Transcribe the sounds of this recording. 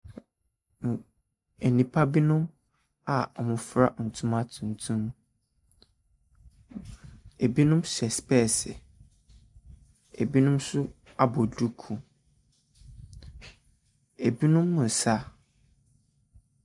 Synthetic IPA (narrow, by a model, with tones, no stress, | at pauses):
e˨nĩ˨pʰa˦bi˦nʊ̃˦m | a˨ɔ˨mʊ̃˨fɾa˦n̩˨tʰũ˦ma˦tʰũ˨n̩˨tʰũ˦m | e˨bi˦nʊ̃˦msɛ˨spɛ˦˨sɪ˨ | e˨bi˦nʊ̃˦msʊ˦ | a˦bɔ˨du˦kʰũ˨ | e˨bi˦nʊ̃˦mːʊ̃˨sa˦